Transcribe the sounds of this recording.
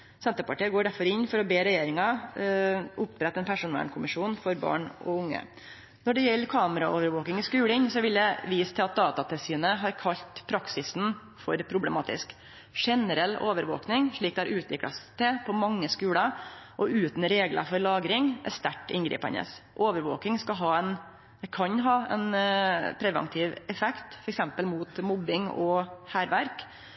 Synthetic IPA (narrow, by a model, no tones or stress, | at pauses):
sɛnt̪əɾpɑʈiːɡoːɖæɾfɔɾɪnːfɔɾɔbeːɾɛjeːɾɪŋɑ | ʔʊpːɾɛt̪ːɛnpʰæʂʊnɑ̰ːɳkʰʊmɪʂuːnfɔɾbɑ̰ːɳɔ̰ʊŋːə̰ | nɔɖɛjɛlːkʰɑːməɾɑoːʋəɾʋoːkɪŋɪskʉːɽənsɔʋɪld̪ɛʋiːst̪ʰɛɑt̪̚d̪ɑːt̪ɑt̪ʰɛsyːnəɦɑɾkʰɑʎt̪pʰɾɑksɪsn | fɔɾpʰɾʊblɛmɑːt̪ɪ̰sk | ʂɛnəɾɛlːoːʋəɾʋo̰ːknɪŋʂɭiːk̚d̪ɛæɾʔʉːt̪ʋɪkɽɑ̰st̪ʰɛpʰɔmɑŋːəskʉːɽəʔɔʉːt̪n̩ɾeːɡlɑ̰fɔɾlɑːɡɾɪŋʔæ̰ɾst̪æʈːɪ̰nɡɾḭːpɛ̰nə̰sʔoːʋəɾʋo̰ːkɪŋskɑɦɑːɛn | d̪ɛkʰɑnɦɑːɛ̰npʰɾɛʋɛ̰nt̪ʰɪːʋɛfɛkt̪fɔɾɛksɛmpəlmuːt̪mɔbːɪŋɔ̰hæːɾʋæɾk